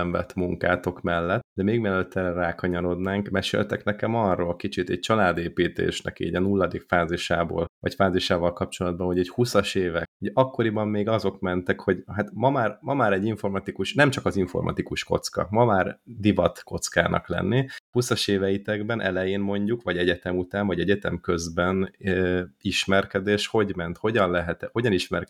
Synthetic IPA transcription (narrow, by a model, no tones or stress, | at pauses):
ɛɱvɛ̰t̪muŋka̰ːt̪o̞kmɛlːɛt̪d̪ɛmeːɡmɛløt̪ʰːɛrɛraːkɒɲɒɾo̞d̪naːŋkmɛʃḛːlt̪ɛknɛkɛmɒrːoːlkit͡ʃit̪ɛɟ̥̚t͡ʃɒlaːd̪eːpiːt̪ḛːʃnɛ̰kḭːɟɒnulːɒd̪iːkfaːziʃaːvo̰ːlvɒ̰cfaːziʃaːvɒlkɒp̚t͡ʃo̞lɒd̪̚bɒnhoɟɛchusɒʃeːvɛkuɟɒkːo̞ɾibɒmːeːɡɒzo̞kmɛnt̪ɛkho̞ɟɦat̪mɒmaːrmɒmaːɾɛɟiɱfo̞rmɒt̪ikuʃnɛmt͡ʃɒkɒziɱfo̞̰rmʔɒ̰t̪ikuʃko̞̰t̪skɒ̰mɒmaːrd̪ivɒt̪ko̞t̪ska̰ːnʔɒ̰klɛ̰nːihusɒʃeːvɛit̪ɛɡbɛnʔɛ̰lɛjeːnmo̞ɲɟukʋɒɟɛɟɛt̪ɛmut̪aːɱvɒɟɛɟɛt̪ɛmkø̞zbɛn | iʃmɛrkɛd̪eːʃho̞ɟmɛnt̪ho̞ɟɒnlɛɦɛt̪ho̞ɟɒniʃmɛrk